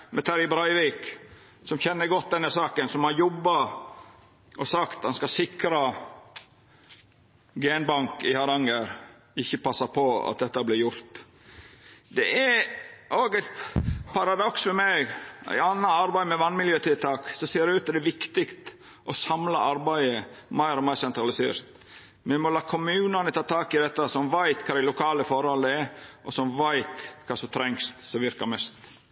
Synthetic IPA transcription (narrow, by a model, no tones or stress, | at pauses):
mʔɛt̪ʰɑɾɪbɾɑɪʋiːk | sɔmçɛnːəɾɡɔt̪̚d̪ɛnːəsɑːkənsɔmhɑɾjɔbːɑ | ʔɔsɑkt̪ɑnskɑsɪkɾɑ | ɡenbɑŋkɪhɑɾɑŋəɾ | ɪçːəpʰɑsːɑpʰɔɑ̰t̪̚d̪ɛt̪ːɑblɪɾjʊɾt̪ | d̪ɛ̰ʔɛʔoːɡæɪt̪pʰɑɾɑd̪ɔksfɔmɛɡæ̰ɪɑnːɑɑɾbæɪmɛʋɑnmɪljøːt̪ʰɪlt̪ʰɑːksɔseːɾɛʉːt̪ːɛd̪ɛʋɪkt̪ɪkt̪ | ʔɔsɑmlɑʔɑɾbæɪəmæɪɾɔmæɪsɛnt̪ɾɑlɪsḛːɾt̪ | mɛmɔlɑːkʰʊmʉːnɑnət̪ʰɑːt̪ʰɑːkɪd̪ɛt̪ːɑsɔmʋæɪt̪kʰɑːd̪ælʊkʰɑːləfɔɾhɔləɛɾʔɔsɔmʋæɪt̪kʰɑːsɔt̪ʰɾɛŋst̪sɔʋɪɾkɑmɛst̪